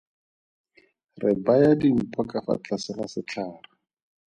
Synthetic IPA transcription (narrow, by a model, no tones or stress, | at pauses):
rɪbajadim̩pʰɔkafa̰t͡ɬasɪrasɪt͡ɬʰaːra